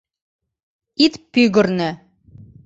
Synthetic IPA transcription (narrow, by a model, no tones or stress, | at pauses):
it̪pyɣɘ̆ɾnɘ̆